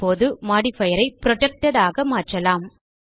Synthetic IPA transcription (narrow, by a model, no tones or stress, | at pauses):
oːðɯmaːɽifɐjɐɾɐɪpɾɔʈɛk̚ʈɐðaːɣɐmaːʈrɐlaːm